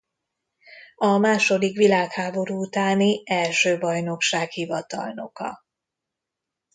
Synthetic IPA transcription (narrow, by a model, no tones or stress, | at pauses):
ɒmaːʃo̞d̪ikʋilaːkhaːbo̞ɾuːut̪aːniɛlʃøːbɒjno̞kʃaːkhivɒt̪ɒ̰lno̞̰kɒ̰